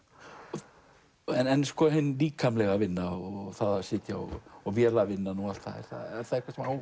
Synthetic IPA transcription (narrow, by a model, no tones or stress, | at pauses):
ɛnɛnskɔːɦɪnːliːkʰːamlɛɣavɪnːaθaðasɪːt̪jaɔ̰ɔɣvjɛːlavɪnːanual̥t̪θa̰ðɛ̰ɾ̥θa̰ɾθaðɾhkvasɛmaw